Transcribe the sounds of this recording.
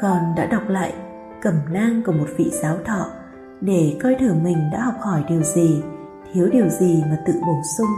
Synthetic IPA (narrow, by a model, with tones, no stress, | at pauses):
kɔ˨˩nɗa̰ː˧˥ɗa˨˩wk͡p̚la̰ː˧˨j | kə˧˩mnaː˧ŋkɔ˧˩mo˨˩t̚vḭ˧˨zaː˨˦wt̪ʰɔ̰˧˨ | ɗe˧˩kɔ˧jt̪ʰɨ˧˩mï˨˩ŋ̟ɗa̰ː˧˥ɦɔ˨˩wk͡p̚hɔ˧˩jɗi˨˩əwzi˨˩ | t̪ʰi˨˦əwɗi˨˩əwzi˨˩maː˨˩t̪ɨ̰˧˨ɓo˧˩nsʊ˧ŋ͡m